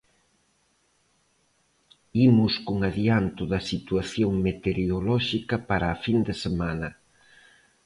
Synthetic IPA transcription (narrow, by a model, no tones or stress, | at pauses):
imʊskuŋaðiant̪ʊðɐsit̪waθjoŋmet̪eɾiolɔʃikɐpaɾaːfind̪esemanɐ